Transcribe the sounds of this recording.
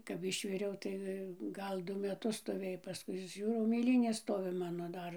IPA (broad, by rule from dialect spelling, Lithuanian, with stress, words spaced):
kɐp ˈɪʃʲʋʲɪrʲɛʊ tɐɪ ˈɡɐlˠ ˈdʊ mʲɛˈtʊs stoːˈʋʲeːj pɐˈskʊɪ ˈʒʲuːrɐʊ mʲeːˈlʲiːnʲeːs ˈstoːʋʲɪ ˈmɑːnoː ˈdɐr